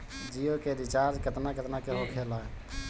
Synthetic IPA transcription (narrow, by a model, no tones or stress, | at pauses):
d͡ʒijokeɾit͡ʃaɾd͡ʒkət̪naɡət̪nakeɦokʰela